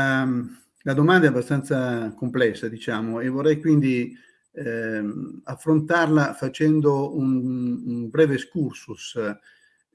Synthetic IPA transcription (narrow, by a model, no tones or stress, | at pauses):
a | lad̪omand̪aɛabːast̪ant̪sakomplɛsːad̪it͡ʃaːmoevorːɛjkwind̪i | afːɾont̪arlafat͡ʃɛnd̪ounːnbɾɛːveskursus